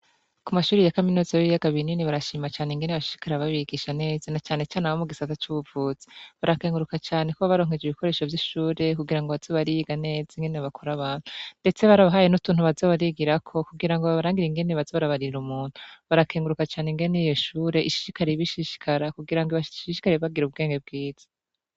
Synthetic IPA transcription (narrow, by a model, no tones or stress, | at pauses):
kumaʃuːɾejakaminuːzajiijaɡaβininiβaɾaʃiːmat͡ʃaːneŋɡe̞niβaʃi̥ʃi̥kaɾeaβaβiɡiʃane̞ːzanat͡ʃaːne̞t͡ʃaːneaβomuɡisatat͡ʃuβuvuːz̥i̥βaɾakeːŋɡuɾukat͡ʃaːne̞koβaβaɾo̞ːŋ̥e̞d͡ʒiβikʰo̞ɾe̞ːʃo̞vjiʃuːɾe̞kuɡiɾaŋɡoβaz̥oβaɾiɡane̞ːzaŋɡe̞neβakʰoɾaβaːn̥unde̞t͡se̞βaɾaβaɦaːje̞nutuːn̥huβazoβaɾiɡiɾakʰo̞kuɡiɾaŋɡoβaɾaːŋɡiɾiŋɡe̞neβazoβaɾaβaɾiɾiɾumuːn̥uβaɾakeːŋɡuɾukat͡ʃaːneŋɡe̞nijo̞ʃuːɾe̞ʔiʃi̥ʃikaɾeiβiʃiʃi̥kʰaɾakuɡiɾaŋɡiβaʃiʃi̥kaɾeβaɡiɾub̚ɡe̞ːŋɡe̞b̚ɡiːz̥ḁ